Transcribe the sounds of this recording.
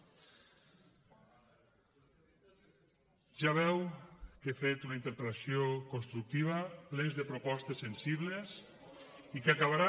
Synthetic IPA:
ʒaβɛwkefet̪unaint̪eɾpelasiokonst̪ɾuk̚t̪iβ̞aplenzðepɾopɔst̪esːensiβles | ikakaβaɾa

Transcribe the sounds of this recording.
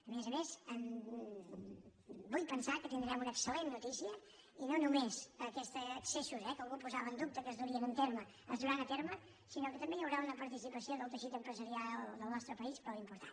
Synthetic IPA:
əmezəmezəm | bujpənsakət̪ind̪ɾɛmunəksəlenːut̪isiə | inonumezəkɛst̪ːksesuzɛkəlˠɣupuzaβəːnd̪up̚t̪əkəzðuɾiənunt̪eɾmə | əzðd̪uɾanət̪eɾmə | sinokət̪əmbejəwɾaunəpəɾt̪isipəsioðəlˠt̪əʃit̪əmpɾəzəɾiad̪əlˠnɔst̪ɾəpəispəlimpuɾt̪a

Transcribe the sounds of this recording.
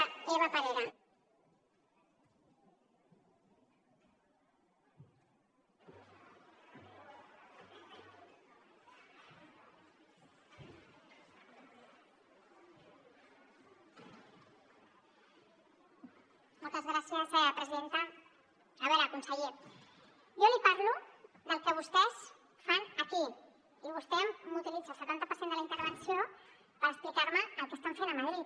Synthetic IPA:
akoɾatalɔla | molˠt̪əzɣɾasjəzpɾəziðent̪ə | ʒ̥aβeləkunsəʎe | jolipaɾlu | d̪əlˠkəβust̪ɛs | fanəki | iβust̪emmːut̪ilid͡zalsət̪ant̪əpəɾsend̪ələint̪əɾβənsijo | pəɾəksplikaɾməːlp̪ust̪onselamaɾi

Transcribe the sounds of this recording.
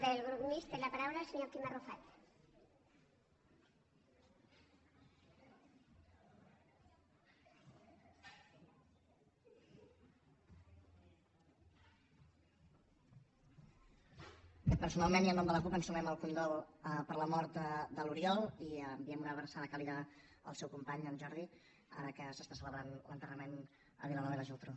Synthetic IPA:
ðelɣɾukmist̪eɾlapaɾawlaseɲɔkimarufat̪ | ɛpəɾsunalˠmeniənːɔmd̪ələkupənsumɛməlˠfunɡɔlˠəpəɾləmɔɾt̪d̪əluɾiɔlˠiəmbiɛmnəβəɾsaðəkaliðə | ə̰lˠsɛwkumpaɲənʒɔɾði | a̰ɾəkəsəst̪asələβɾanlə̰nt̪ərəmen | ə̰βilənɔβeðəʒilˠt̪ɾo

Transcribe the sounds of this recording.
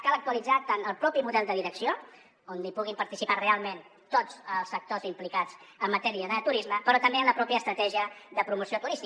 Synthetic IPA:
kalək̚t̪uəlid͡zat̪anəlˠpɾɔpimuðɛlˠd̪əðiɾəksio | onlipuɣ̞impəɾt̪isiparealˠmen | t̪od͡zəlˠsfək̚t̪ozimplikad͡zəmːət̪ɛɾiəðət̪uɾizməpəɾɔt̪əmbeənləpɾɔpjəst̪ɾət̪ɛʒiəðəpɾumusiot̪uɾist̪i

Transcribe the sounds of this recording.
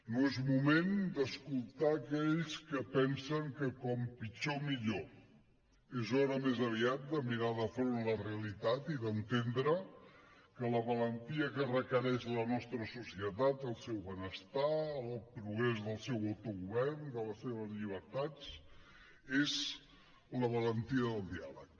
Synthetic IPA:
noezmumend̪əskulˠt̪aːkɛʎskəpɛnsəŋkəkɔmpit͡ʃomiʎo | ezɔɾəmezəβ̞iat̪̚d̪əmiɾaðəfɾonləreəlit̪at̪iðənt̪end̪ɾə | kələβələnt̪iəkərəkəɾɛʃlənɔst̪ɾəsusiət̪at̪əlˠsɛwβənəst̪aəlˠpɾuɣɾezðəlˠsɛwəwt̪uɣuβɛɾnd̪ələsːeβ̞əzʎiβ̞əɾt̪at͡s | ez | ləβ̞ələnt̪iəðəlˠd̪ialək̚

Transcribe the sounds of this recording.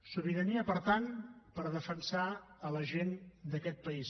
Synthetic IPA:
suβiɾəniəpəɾt̪anpəɾðəfənsaələʒend̪əkɛt̪̚pəis

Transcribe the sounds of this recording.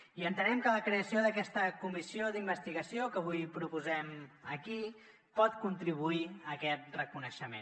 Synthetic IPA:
iənt̪ənɛmkələkɾeəsioðəkɛst̪əkumisioðimbəst̪iɣəsiokəβujpɾupuzɛməki | pɔt̪kunt̪ɾiβ̞uiəkɛt̪̚rəkunəʃəmḛn

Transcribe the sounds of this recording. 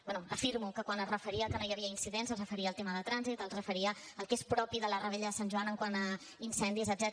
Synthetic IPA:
bɛnuəfiɾmukəkwanərəfəɾiəkənojəβiəinsiðenzəlˠzrəfəɾiəːlˠt̪eməðət̪ɾanzit̪əlˠzrəfəɾiə | əlˠkespɾɔpiðələrəβɛʎəðəsanʲʒuanəŋkwanə | insɛnd̪izəd̪zɛt̪

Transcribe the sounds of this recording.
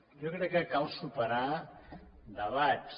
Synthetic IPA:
jokɾɛkːəkalˠsupəɾa | d̪əβat͡ʃ

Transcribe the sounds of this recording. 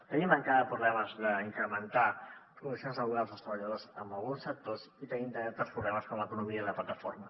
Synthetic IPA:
t̪əniməŋkaðəpɾuβlɛməzðəiŋkɾəmənt̪apɾuðusanzəɣuɣalˠzəlˠst̪ɾəβəʎəðozəmbəlˠɣunsək̚t̪oz | it̪ənimd̪əɾɛɾt̪əspɾuβlɛməskɔmləkunumiəiləplət̪əfoɾmə

